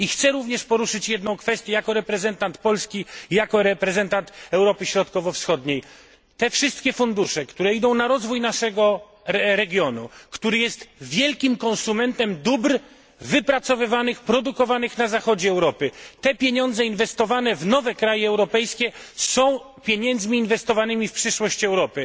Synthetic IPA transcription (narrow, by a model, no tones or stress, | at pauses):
ixt̪sɛɾuvɲɛʂpɔɾuʂɘt͡ɕjɛd̪nɔ̃w̃kfɛst̪jɛjakɔɾɛpɾɛzɛnt̪ant̪pɔlskʲijakɔɾɛpɾɛzɛnt̪ant̪ɛwɾɔpɘɕɾɔt̪kɔvɔfsxɔd̪ɲej | t̪ɛfʂɨst̪̚kʲɛfund̪uʂɛkt̪uɾɛid̪ɔ̃w̃naɾɔzvujnaʂɛɡɔ | ɛɾɛɡʲjɔnṵkt̪uɾɘjɛst̪vʲjɛlkʲimkɔnsumɛnt̪ɛmd̪ubɾ | vɘpɾat̪sɔvɘvanɘxpɾɔd̪ukɔvanɘxnazaxɔd͡ʑɛːwɾɔpɘt̪ɛpʲjeɲɔ̃nd̪zɛinvɛst̪ɔvanɛvnɔvɛkɾajɛɛwɾɔpɛjskʲɛsɔ̃w̃ | pʲjeɲɛnd̪zmʲiːnvɛst̪ɔvanɘmʲifpʂɘʂwɔɕt͡ɕɛwɾɔpɘ